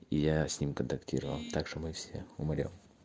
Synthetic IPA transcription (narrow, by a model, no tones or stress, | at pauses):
ijasʲnʲimkənt̪ɐktʲiɾəvɐ̰lˠt̪akʂomɨfsʲḛʊmɐɾʲo̰m